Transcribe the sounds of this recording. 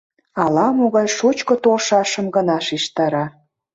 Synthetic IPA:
ɑlɑmoɣɑjʃut͡ɕkŏt̪olʃɑʃə̆mɣə̆nɑʃiʃt̪ɑɾɑ

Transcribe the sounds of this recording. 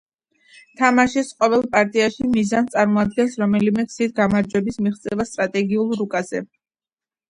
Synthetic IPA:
t̪ʰamaʃɛsqʼɔvɛlˠpʼaɾt̪ʼiaʃimizant̪sʼaɾmɔad̪ɡɛnsɾɔmɛlimɛkʰsit̪ʰɡamaɾd͡ʒwɛbismiχt̪sʼɛvast̪ʼɾat̪ʼɛɡiulˠɾukʼazɛ

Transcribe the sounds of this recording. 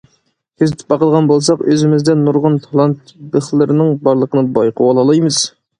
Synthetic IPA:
kʲʰøzɪt̪ʰɪ̥p̚bɑqəlˠʁɑnbolˠsɑqøzɪmɪzd̪ɛnːuɾʁʊnt̪ʰɑlˠɑnt̪̚bəχlˠɨɾɪnɪŋbɑɾlˠəqʰənɨbɑjqʰəwɑlˠɑlˠɑjmɨz̥

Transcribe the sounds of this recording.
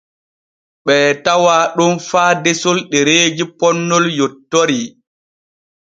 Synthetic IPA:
ɓɛːtawaːɗunfaːdesɔlɗeɾeːd͡ʒipɔnːɔljɔtːoɾi

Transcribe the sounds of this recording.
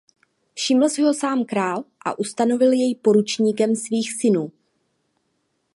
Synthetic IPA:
fʃɪml̩sɪɦo̞saːmkɾaːlʔa̰ʔust̪ano̞vɪljɛjpo̞ɾut͡ʃɲiːkɛmsviːxsɪnuː

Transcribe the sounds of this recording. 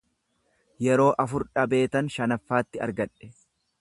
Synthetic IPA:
jɛɾo̞ːʔɐfʊɾᶑɐbe̞ːt̪ɐnʃɐnɐfːaːt̪ːɪɐ̰ɾɡɐᶑɛ̥

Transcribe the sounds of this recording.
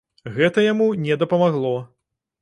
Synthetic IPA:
ɣɛt̪ɐjamunʲɛd̪ɐpɐmaɣlˠɔ

